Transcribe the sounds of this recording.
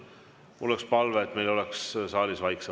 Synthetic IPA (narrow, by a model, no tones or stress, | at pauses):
mulːekspɑlveːt̪me̞jlo̞lɛkssɑːlisvɑjkse